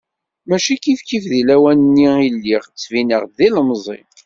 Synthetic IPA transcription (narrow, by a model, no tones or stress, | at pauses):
mæʃikifkifðilæwænənːiilːiʁt͡sːvinəʁðiləmzˤḭ